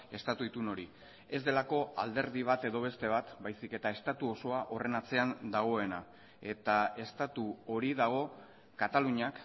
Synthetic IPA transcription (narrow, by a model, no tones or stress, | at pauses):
e̞st̪at̪uit̪uno̞ɾi | e̞zd̪elako̞a̰ld̪e̞ɾð̞iβ̞at̪e̞ðo̞β̞e̞st̪e̞β̞at̪bajsike̞t̪ae̞st̪at̪uo̞so̞aʔo̞re̞nat͡se̞and̪aɣ̞o̞e̞na | e̞t̪ae̞st̪at̪uo̞ɾiðaɣ̞o̞ | kat̪aluɲak